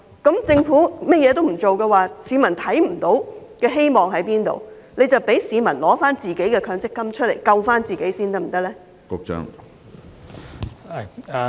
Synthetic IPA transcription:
kɐ˨˥mt͡sɪ˧ŋfuː˨˥mɐ˥jɛː˨˧t̪̬o˥wm̩˨˩t͡so˨wkɛː˧waː˨siː˨˧mɐ˨˩nt̪ʰɐ˨˥jm̩˨˩t̪o˨˥wkɛː˧ɦe˥jmɔː˨˩ŋɦɐ˨˥jpiː˥nt̪o̰˨w | ne˨˧jt͡sɐ˨wpe˨˥jsiː˨˧mɐ˨˩nlɔː˨˥faː˥nt͡siː˨ke˨˥jkɛː˧kʰœː˨˧ŋt͡sɪ˥kːɐ˥mt͡ʃʰɵ˥t̚lḛ˨˩jkɐ˧wfaː˥nt͡siː˨ke˨˥jsiː˥nt̪ɐ˥k̚m̩˨˩t̪ɐ˥lɛː˥ | kʊ˧˥k̚t͡ʃœ̰˥ŋ˨

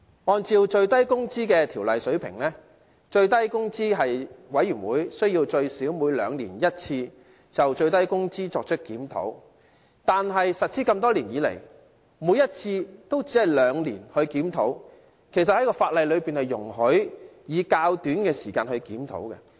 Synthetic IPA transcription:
ɔː˨˧nt͡siː˧wt͡ʃɵ˧ɥt̪ɐ˥jkʊ˥ŋt͡siː˥kɛː˧t̪ʰiː˨˩wlɐ˨jsɵ˨˥ɥpʰɪ̰˨˩ŋlɛː˥ | t͡ʃɵ˧ɥt̪̬ɐ˥jkʊ˥ŋt͡siː˥ɦɐ˨jwɐ˨˥jːyː˨˩nwuː˨˥jsɵ˥ɥjiː˧wt͡ʃɵ˧ɥsiː˨˥wmuː˨˧jlœ̰ː˨˧ŋlḭː˨˩njɐ˥t̚t͡sʰiː˧ | t͡sɐ˨wt͡ʃɵ˧ɥt̪ɐ˥jkʊ˥ŋt͡siː˥t͡sɔː˧k̚t͡ʃʰɵ˥t̚kiː˨˥mt̪ʰo̰˨˥w | t̪aː˨nɦɐ˨jsɐ˨t̚t͡sʰiː˥kɐ˧mt̪ɔː˥liː˨˩njiː˨˧lḛ˨˩j | muː˨˧˥jɐ˥t̚t͡sʰiː˧t̪o˥wt͡siː˨˥hɐ˨˩jlœː˨˧ŋliː˨˩nhɵ˧ɥkiː˨˥mt̪ʰo˨˥w | kʰe˨˩js̬ɐ˨t̚hɐ˨˥jkɔː˧faː˧t̚lɐ˨˧jlɵ˨˧ɥpiː˨nhɐ˨jːʊ̰˨˩ŋɦɵ˨˥ɥjiː˨˧kaː˧wt̪yː˨˥nkɛː˧siː˨˩ka̰ː˧nhɵ˧ɥkiː˨˥mt̪ʰo̰˨˥wkɛ̰˧

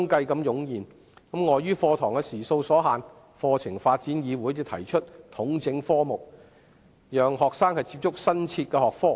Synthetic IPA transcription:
ŋkɐ˧jkɐ˧mjʊ˨˥ŋjiː˨n | kɐ˨˥mŋɔː˨˧jyː˥fɔː˧t̪ʰɔː˨˩ŋkɛ˧siː˨˩so˧wsɔː˨˥ɦaː˨˧n | fɔː˧t͡sʰɪ˨˩ŋfaː˧t̚t͡siː˨˥njiː˨˧wuː˨˥jtɪ˨˧t̪ʰɐ˨˩jt͡ʃʰɵ˥t̚t̪ʰʊ˨˥ŋt͡sɪ˨˧˥ŋfɔː˥mʊ˨k̚ | jœː˨ŋɦɔː˨k̚saː˥ŋhɐ˨jt͡si˧p̚t͡sʊ˥k̚sɐ˥nt͡sʰiː˧t̚kɛː˧hɔː˨k̚fɔː˥

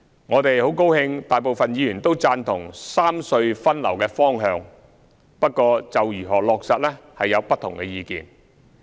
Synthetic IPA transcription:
ŋɔː˨˧t̪e˨jho˨˥wko˥whɪ˧ŋt̪aː˨˩jp̬o˨wfɐ˨njiː˨˧jyː˨˩nt̪o˥wt͡saː˧nt̪ʰʊ˨˩ŋsaː˥msɵ˧ɥfɐ˥nlɐ˨˩wkɛː˧fɔː˥ŋɦœː˧ŋ | pɐ˥t̚kːɔː˧t͡sɐ˨wjyː˨˩ɦɔː˨˩lɔː˨k̚sɐ˨t̚lɛ˥hɐ˨jːɐ˨˧wpɐ˥t̪ʰːʊ̰˨˩ŋkɛ˧jiː˧kḭː˨˩n

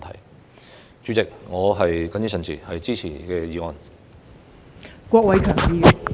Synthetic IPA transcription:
tʰɐ̰˨˩j | t͡ʃyː˨˥t͡sɪ˨k̚ŋɔː˨˧ɦɐ˨jkɐ˨˥ny˨˥sɐ˨nt͡siː˨hɐ˨jt͡siː˥t͡sʰḭː˨˩kɛː˧jiː˨˧ŋɔː˨˩n | kʷɔː˧k̚wɐ˨˧jkʰœː˨˩ŋjiː˧˥˨

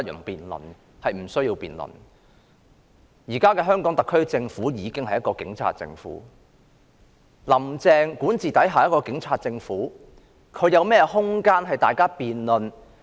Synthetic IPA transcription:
jɵ̰˨˩ŋpiː˨nlɔ̰˨˩n | hɐ˨jm̩˨˩sɵ˥ɥjiː˧wpiː˨nlʊ̰˨˩n | jiː˨˩kaː˥kɛː˧ɦœː˥ŋkɔː˨˥ŋt̪ɐ˨˩kʰːɵ˥ɥt͡sɪ˧ŋfuː˨˥jiː˨˧kɪ˥ŋhɐ˨jɐ˥tkɔː˧kɪ̰˨˥ŋt͡sʰa̰ː˧t̚t͡sɪ̰˧ŋfṵː˨˥ | lɐ˨˩mt͡sɛː˧ŋkuː˨˥nt͡siː˨t̪ɐ˨˥jɦaː˨jɐ˥t̚kɔː˧kɪ˨˥ŋt͡sʰaː˧t̚t͡sɪ˧ŋfuː˨˥ | kʰɵ˨˧ɥjɐ˨˧wmɛː˥jɛ˧hʊ˥ŋkaː˥nɦɐ˨jt̪aː˨jkaː˥piː˨nlɵ˨n

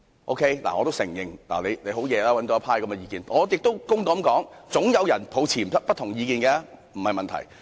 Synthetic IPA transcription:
ʔo̰˥wkʰe˥jla̰˨ŋɔː˨˧t̪o˥wsɪ˨˩ŋjɪ˨˩ŋla̰˨˩le˨˧jle˨˧jɦo˨˥wjɛː˨˧laː˦˥wɐ˨˥nt̪o˨˧˦ɐ˥pʰaː˥jkɐ˨˦mɛ˧jiː˧kiː˨˧nŋɔː˨˧jɪ˨k̚t̪o˥wkʊ˥ŋt̪o˨˧˥mŋkɔː˨˥ŋt͡sʊ˨˥ŋjɐ˨˧wjɐ˨˩npʰo˨˧wt͡sʰiː˨˩˨ɐ˥pɐ˥t̪ʰːʊ˨˩ŋjiː˧kiː˧nkɛː˧˥m̩˨˩hɐ˨jmɐ˨nt̪ʰɐ̰˨˩j

